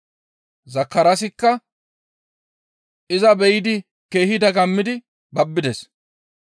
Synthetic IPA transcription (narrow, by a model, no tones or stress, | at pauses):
zɐkːɐɾɐsɪkːɐ | ʔɪzɐbɛjd̪ɪ | keːhɪd̪ɐɡɐmːɪd̪ɪ | bɐbːɪd̪ɛs